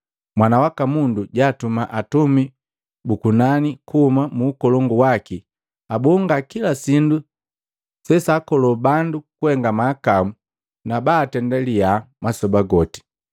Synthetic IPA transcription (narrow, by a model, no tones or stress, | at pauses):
mwanawakamunduɟaːtumaʔatumi | bukunanikuhumamuːkɔlɔŋɡuwaki | abɔŋɡakilasindu | sɛsaːkɔlɔbandukuhɛŋɡamaːkamu | nabaːtɛndalijamasɔbaɡɔti̥